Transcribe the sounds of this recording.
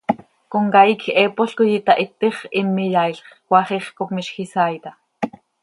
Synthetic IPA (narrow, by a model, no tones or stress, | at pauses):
koŋkaikʰepoɬkojit̪aʔit̪ːiχimːijaiɬχwʷɑχiχkopmiʃxisajt̪a